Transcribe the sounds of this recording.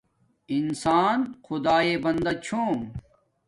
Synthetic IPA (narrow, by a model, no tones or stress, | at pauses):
insaːnxʊd̪aːebɐnd̪ɐt͡ɕʰoː